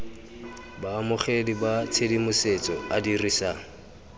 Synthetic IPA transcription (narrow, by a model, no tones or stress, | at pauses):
baːmʊχedibat͡sʰedimʊset͡sʼɔadirisaːŋ̩